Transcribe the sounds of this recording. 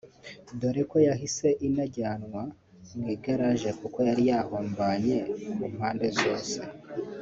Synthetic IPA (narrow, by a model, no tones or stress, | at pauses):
do̞ɾeko̞jaɦise̞ʔinaɟaːnwa | mɡiːɡaɾaʒe̞kuko̞jaɾijaːhoːmbaːɲe̞mumhaːnde̞zo̞ːse̞